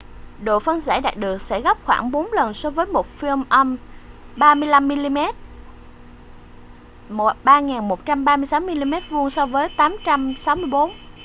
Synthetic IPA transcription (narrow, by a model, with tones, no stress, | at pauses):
ɗo̰˧˨fə˧nza̰ː˧˩ɗa̰ː˨˩ɗɨ˨˩ək̚sɛ̰˧˥ɣɔ˦˥p̚xwaː˧˩ŋɓo˨˦nlə˨˩nso˧vəː˨˦jmo˨˩t̚fi˧əmʔə˧m | ɓaː˧mɨ˧əjla˧mːi˧li˧mɛ˦˥t̚ | mo˨˩ɓaː˧ŋaː˨˩nmo˨˩t̚t͡ɕa˧mɓaː˧mɨ˧əjsa˨˦wmi˧li˧mɛ˦˥t̚vu˧əŋsɔ˧vəː˨˦jt̪aː˨˦mt͡ɕa˧msa˨˦wmɨ˧əjɓo˨˦n